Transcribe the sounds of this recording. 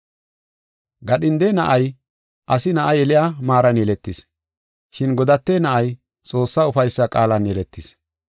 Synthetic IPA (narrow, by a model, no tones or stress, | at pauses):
ɡɐɗɪnd̪enɐʔɐj | ʔɐsɪnɐʔɐjɛlɪjaːmaːɾɐnjɛlɛt̪ːɪs | ʃɪnɡɔd̪ɐt̪ːenɐʔɐj | t͡sʼo̞ːsːaːʊfɐjsːɐkʼaːlɐnjɛlɛt̪ːɪs